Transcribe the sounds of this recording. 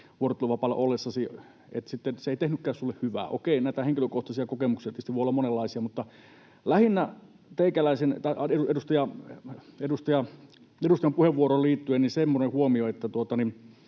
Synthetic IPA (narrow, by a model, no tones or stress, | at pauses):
ʋuort̪ːluʋɑpɑlːɑ̰ʔolːesːɑsi | ḛt̪sit̪ːenseeˑit̪ehnykːæːsulːehhyʋæ̰ːʔo̰keˑinæˑit̪æeŋkiløkoht̪ɑsiɑkokemuksiɑt̪ist̪ːʋoˑiolːɑmonelːɑˑisiɑmut̪ːɑ | læhinːæ | t̪eˑikælæˑisent̪ɑiʔɑeuedust̪ɑjɑ | edust̪ɑjɑ | edust̪ɑjɑmpuheʋʋuoroːlliːt̪ːyennisemːonehuomioet̪ːæt̪uot̪ɑnin